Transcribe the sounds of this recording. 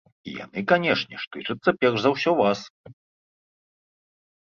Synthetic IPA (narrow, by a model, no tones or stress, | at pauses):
ḭja̰nɨkanʲɛʂnʲɛʂt̪ɨt͡ʂɐt̪sːɐpʲɛrʐzawsʲɔvas